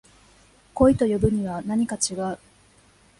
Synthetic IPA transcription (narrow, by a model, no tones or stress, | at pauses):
ko̞it̪o̞jobɯ̟ɲ̟iβanaɲ̟ikat͡ɕiɡaɯ̟